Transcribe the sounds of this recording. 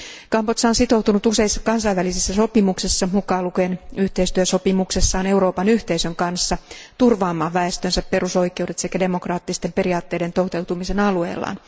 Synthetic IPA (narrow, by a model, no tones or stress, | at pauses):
kɑmpot̪sɑonsit̪o̞wt̪unut̪use̞isːɑkɑnsɑiʋælisesːæso̞pimuksesːɑmukɑːlukenyht̪e̞ist̪yøso̞pimuksesːɑːne̞uɾo̞ːpɑnyht̪e̞isøŋkɑnsːɑt̪urʋɑːmːɑːʋʋæest̪ønsæppe̞ruso̞jkˑe̞uwde̞t̪sekæde̞mo̞krɑːt̪ːist̪empe̞ɾiɑːt̪ːe̞ːde̞nt̪out̪e̞wt̪umise̞nɑlue̞̰ːlːɑ̰ːn